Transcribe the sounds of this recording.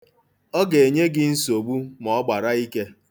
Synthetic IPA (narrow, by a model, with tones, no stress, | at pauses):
ɔ˦ɡe˨e˨ɲe˦ɡɪ˦n̩˦so˨ɡ͡bu˦mɔ˨˦ɡ͡ba˨ɾa˦i˦ke˦